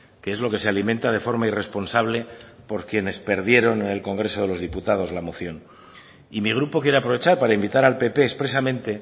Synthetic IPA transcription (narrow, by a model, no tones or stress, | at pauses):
ke̞ezlo̞ke̞se̞aliment̪að̞e̞fo̞ɾmaire̞spo̞nsaβ̞le̞ | po̞ɾkje̞ne̞spe̞ɾð̞je̞ɾo̞nene̞lko̞ŋɡɾe̞so̞ð̞e̞lo̞zðiput̪að̞o̞zlamo̞θjo̞n | imiɣ̞ɾupo̞kje̞ɾeapɾo̞β̞e̞t͡ʃaɾpaɾaimbit̪aɾalpe̞pe̞ːspɾe̞samẽ̞nt̪e̞